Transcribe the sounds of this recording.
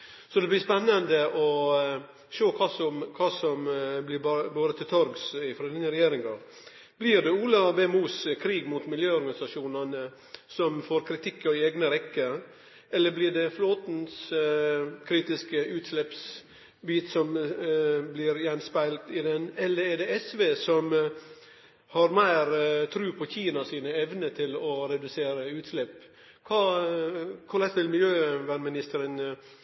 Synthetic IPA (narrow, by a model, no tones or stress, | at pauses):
sɔd̪ɛblɪspɛnːənd̪əʔɔ | ʃoːkʰɑːsɔmkʰɑːsɔmblɪbɑːɾət̪ʰɪlt̪ʰɔɾɡsɪfɾɑd̪iːnəɾɛjeːɾɪŋɡɑ | b̥lɪːɾd̪ɛuːlɑbɛːmuːskʰɾiːɡmuːt̪mɪljøːɔɾɡɑnɪsɑʂuːnɑnə | sɔmfoːɾkʰɾɪt̪ʰɪkːɑɪeːɡnəɾɛkːəɾ | ɛlːəblɪɖɛfloːt̪n̩s | kʰɾiːt̪ɪskəʉːt̪slɛps | biːt̪sɔm | blɪːɾjɛnspæɪlt̪ɪd̪ɛnɛlːəɾɛɖɛɛsʋeːsɔm | hɑɾmæɪɾt̪ʰɾʉːpʰɔçiːnɑsiːnəɛʋnət̪ʰɪlɔɾɛd̪ʉseːɾəʉːt̪slɛpː | kʰɑː | kʰʊlɛst̪ʰɪlmɪljøːʋæːnmɪnɪst̪əɾən